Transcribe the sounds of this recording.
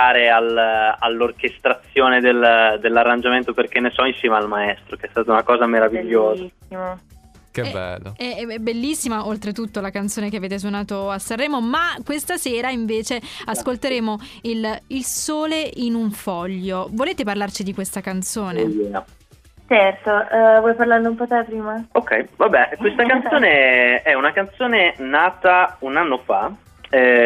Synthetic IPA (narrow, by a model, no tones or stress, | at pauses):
aːɾealalːork̟est̪ɾat̪sːjoːned̪eld̪elːarːand͡ʒament̪operk̟enːesɔinsjɛːmaalmaɛst̪ɾokeɛst̪aːt̪aunakɔːzameɾaviʎːoːzai | kebɛ̰lːo̰ɛɛbelːisːimaʔolt̪ɾet̪ut̪ːolakant̪soːnekeaveːt̪̬es̬wonaːt̪oasːarːɛːmomakːwest̪asɛːɾaiɱveːt͡ʃeaskolt̪eɾeːmoililsoːleinuɱfɔʎːovoleːt̪eparlart͡ʃid̪ikwest̪akant̪soːnejɛa | t͡ʃɛrt̪ovwɔjpaɾlaɾd̪oumpɔt̪ɛpɾiːmaokːɛ̰jvabɛkwest̪akannt̪soːneɛunakant̪soːnenaːt̪aunanːofa̰ | ɛ